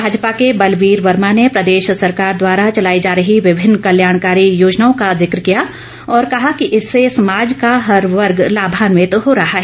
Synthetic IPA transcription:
bʱaːd͡ʒpakebɐlʋiːɾʋɐɾmanepɾɐd̪eːʃsɐɾkaːɾd̪waːɾat͡ʃɐlaːid͡ʒaːɾəɦiʋɪbʱɪnːkɐljaːɽ̃kaːɾijoːd͡ʒnaːõkazɪkɾkija | ɔːɾkɐɦakiʔɪsːesɐmaːd͡ʒkaɦɐɾʋɐɾɡlaːbʱaːnʋẽt̪ɦoɾɐɦaɦɛ

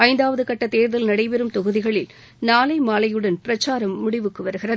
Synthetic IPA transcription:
ɐɪnd̪aːʋɐðɯkɐʈːɐt̪eːɾðɐlnɐɽɐɪpɛɾɯmt̪ɔɣɯðɪɣɐɭɪl | naːlɐɪmaːlɐjɯɽɐnpɪɾɐt͡ʃːaːɾɐmːʊɽɪʋɯkːɯʋɐɾɯɣɪrɐðɯ

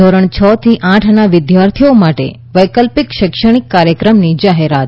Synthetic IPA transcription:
ɔɾəɳ̃t͡ʃʰət̪ʰiʔãʈʰnaʋɪd̪jaɾt̪ʰiomaʈḛ | ʋəjkəlpɪkʃɪkʃəɽ̃ikːaɾjəkɾəmnid͡ʒaɦeɾat̪

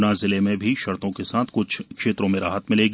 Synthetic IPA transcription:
nazɪlemẽbʱiʃɐɾt̪õkesaːt̪ʰkʊt͡ʃʰkʃeːt̪ɾõmẽɾaːɦət̪mɪleːɡi

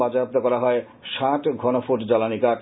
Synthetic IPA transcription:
bad͡ʑaap̚t̪akɔɾaɦɔe | ʃaʈɡʱɔnofoʈd͡ʑalanikaʈ

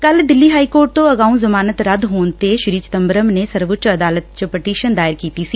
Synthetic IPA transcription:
kɐld̪ɪlːiɦaːikoːɾʈ̚t̪oɐɡaːũzɐmaːnət̪ɾɐd̪ʱɦoːnt̪eʃɪɾiːt͡ʃt̪ɐmbəɾəmnesɐɾʋʊtʃɐd̪aːlət̪̚t͡ʃəpəʈiːʃənd̪aːɪɾkiːt̪isiː

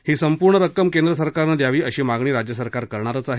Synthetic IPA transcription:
hiːsəmpuɾɳəɾəkːəmkend̪ɾəs̬əɾkaɾnəd̪jaʋiːəɕiːmaɡɳ̃iːɾad͡ʑjəsəɾkaɾkəɾɳ̃aɾət͡saɦe

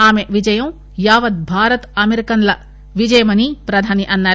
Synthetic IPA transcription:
aːmeʋid͡ʒɐjɐ̃ | jaːʋɐd̪̚bʱaːɾɐt̪ɐmeɾikɐnlɐ | ʋid͡ʒɐjɐmɐnipɾɐd̪ʱaːniʔɐnːɐ

